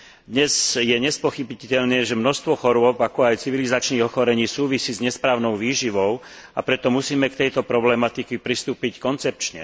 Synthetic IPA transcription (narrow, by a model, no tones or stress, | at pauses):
d̪ɲɛzjɛɲɛspɔxibicɛʎnɛːʒɛmnɔst̪ʋɔxɔɾʊɔbakɔajt͡siʋilizat͡ʃniːɣɔxɔɾɛɲiːsuːʋisiːzɲɛspɾaːʊnɔʊʋiːʒiʋɔʊ | apɾɛt̪ɔmusiːmɛkt̪ɛjt̪ɔpɾɔblɛmat̪ikipɾist̪uːpickɔnt͡sɛp̚t͡ʃɲɛ̰